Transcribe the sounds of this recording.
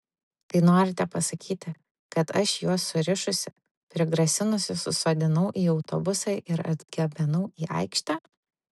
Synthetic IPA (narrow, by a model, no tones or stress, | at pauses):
t̪ɐɪnoːɾʲɪt̪ʲɛpɐsɐkʲiːt̪ʲɪ | kɐt̪ɐʃjuɔsːʊɾʲɪʃʊsʲɪ | pʲɾʲɪɡɾɐsʲɪnʊsʲʊsʊsoːd̪ʲɪnɐʊʔiːɒʊt̪ɔ̰bʊsɐɪʔɪɾɐ̰d̪ʲɡʲɛbʲɛnɐʊiːʔɐ̰ɪkʃʲt̪ʲɑː